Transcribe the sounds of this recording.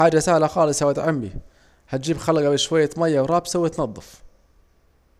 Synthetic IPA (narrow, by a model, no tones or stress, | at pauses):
aːd͡ʒasahlaxɑːlɨsawat̪ʕamːḭ | hat̪̚d͡ʒiːbxalɡabɪʃwajːamajːawɾˤɑːbsawɪt̪nɑd̪ˤːɑf